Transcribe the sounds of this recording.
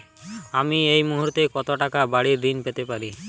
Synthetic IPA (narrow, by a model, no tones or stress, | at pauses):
amiejmuɦuɾt̪ekɔt̪oʈakabaɽiɾːinpet̪epaɾi